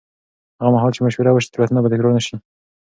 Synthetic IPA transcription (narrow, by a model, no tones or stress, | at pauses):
haɣamaɦɑlt͡ʃemaʃweɾawəʃ̬i̥t̪əɾat̪nabad̪əkɾonaʃi